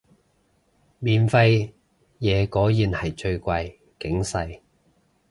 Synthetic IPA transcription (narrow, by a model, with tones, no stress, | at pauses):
miː˨nfɐ˧j | jɛː˨˧kɔː˨˥jiː˨˧nhɐ˨˩jt͡ʃɵ˧ɥkʷɐ˧j | kɪ˨˥ŋsɐ˧j